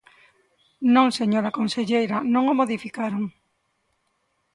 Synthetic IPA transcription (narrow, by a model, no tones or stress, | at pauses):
nõŋseɲoɾakonseʎejɾanõŋomoðifikaɾoŋ